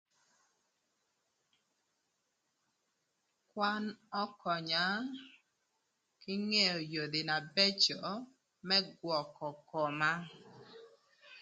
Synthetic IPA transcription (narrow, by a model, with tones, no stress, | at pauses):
kwa˦nɔ˦kɔ˨ɲa˨˦ | kɪ˦ŋe˦o˨jo˨d̪ɪ˨na˨be˦t͡ʃɔ˨ | mɛ˦ɡwɔ˨kɔ˨kɔ˨ma˦